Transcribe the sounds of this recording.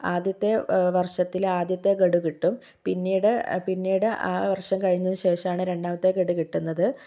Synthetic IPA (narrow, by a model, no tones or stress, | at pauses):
aːd̪jɐt̪ːe̞ʋɐrʂɐt̪ːilaːd̪jɐt̪ːe̞ɡeɽukiʈːum | pinːiːɽɨpinːiːɽɨʔa̰ːʋɐrʂɐmkɐɻiunːɐðuɕe̞ːʂɐmaːɳɨɾe̞ɳɖaːmɐt̪ːe̞ɡeɽukiʈːunːɐðɨ